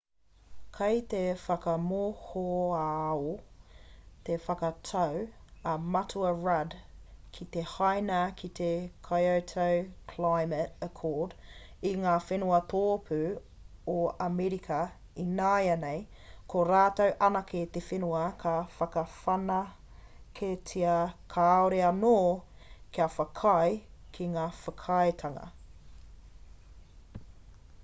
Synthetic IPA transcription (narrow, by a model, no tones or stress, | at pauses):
kʰejt̪efɐkɐmohoao | t̪efɐkɐt̪ʰɐwɐmɐtʰuɐɹɐdkʰit̪ehajnɐkʰit̪ekʰajowtʰowkʰlajmətəkʰɔːd | iŋaːfenuɐt̪oːpʰʉ | oɐmɛɾikʰɐ | inaːjɐnej | kʰoɾaːt̪ɐwʔɐnɐket̪efenuɐkʰɐfɐkɐfɐnɐ | kʰetʰiɐkʰaːoɾeɐnoː | kiɐfɐkʰɐjkʰiŋaːfɐkʰɐjt̪ʰɐŋɐ̰